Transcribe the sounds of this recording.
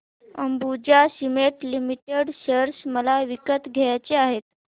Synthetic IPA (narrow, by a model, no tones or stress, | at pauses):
əmbud͡ʑasimeʈlimiʈeɽɕəɾsməlaʋikət̪ɡʱejat͡ɕeaɦet̪̚